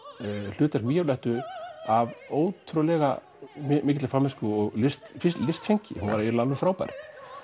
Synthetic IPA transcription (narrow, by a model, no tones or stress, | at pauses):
l̥ʏːt̪ɛɾ̥kviːjawlɛht̪ʏavoːwt̪ʰɾʏlɛɣa̰ | mmɪːcɪt̪ɪ̥famɪskʏɔɣlɪst̪fɪlɪst̪feɲcɪ̰hunvaɾaɛɾlalvʏfɾaːwpɛ̰ɾk